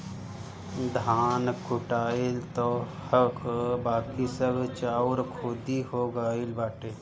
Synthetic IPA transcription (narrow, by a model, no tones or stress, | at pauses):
d̪ʱaːnkʊʈaːilt̪o | həkbaːkisəbʱt͡ʃaːuɾkʰoːd̪ihoːɡaːilbaːʈeː